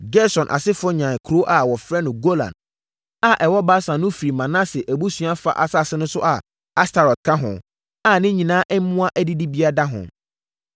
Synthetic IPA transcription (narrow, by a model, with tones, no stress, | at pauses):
ɡɛ˦sɔ̃˨nʔa̰˨sɪ˦fʊ˦ɔ˦ɲã˨kʰɾo˦ʔa˨wɔ˨fɾɛ˦nʊ̃˨ɡo˦lã̰˨n | a˨ʔɛ˨wɔ˦ba˦sã˨nʊ̃˦fɾi˨mã˨nã˦sɛ˨ʔæ˨bu˦sɥa˦fa̰˨ʔa˨sa˦˨sɪ˦nʊ̃˦sʊ˦ʔa˨ | a˦stʰa˨ɾɔ˨t̚kʰã˦ɦʊ̰̃˨ | a˨nɪ̃˦ɲĩ˨nãː˦ʔɛ˦m˦mʊ̃˦a˦ʔæ˦di˦di˦bi˦a˦da˦ɦʊ̰̃˨